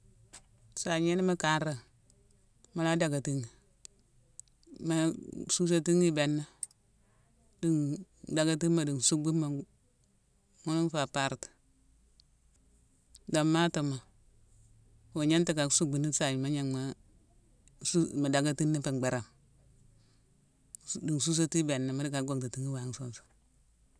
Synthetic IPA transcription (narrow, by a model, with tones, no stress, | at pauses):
sa˨ɲe˦ni˦ma˦ka˨˦nɾa˨ | ma˦la˦da˨ɡa˨ti˦ŋi˨ | ma˦su˦s̬o˦ti˦ŋi˦be˨nːa˦ | di˨ŋda˨ɡa˦t̬i˦ma˨di˨n˨su˦ɡ͡bi˦mːa˨ | ŋu˦nu˦n˦fa˨pa˦ɾti̥˨ | do˨mːa˦to˨ma˨ | wo˨ɲe˦nti˨ka˨˦su˦ɡ͡bi˨ni˦sa˨ji˨ma˦ɲe˦ŋma˨ | sma˨da˨ɡa˦ti˦nːi˦fe˨ɡ͡be˨ɾa˨m | di˨ŋsu˦s̬o˦ti˦be˨nːa˨ma˦di˦ka˨ɡo˨ŋti˨ti˦ŋi˦wa˨˦ŋ˦so˦˨nso̥˨